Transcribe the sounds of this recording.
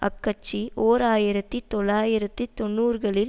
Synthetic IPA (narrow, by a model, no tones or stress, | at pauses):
ɐ̰kːɐt͡ʃːioːɾaːjɪɾɐt̪ːɯt̪ɔlːaːjɪɾɐt̪ːɯt̪ɔnːuːɾɣɐɭɪl